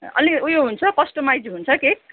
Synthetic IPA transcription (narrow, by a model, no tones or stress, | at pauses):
ʌ̰niujoɦunt͡sʰʌkʌsʈʌmajd͡zɦunt͡sʰʌkek̚